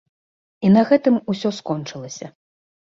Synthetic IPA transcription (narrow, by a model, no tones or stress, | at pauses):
inɐɣɛt̪ɨmusʲɔskɔnt͡ʂɨlˠɐsʲɐ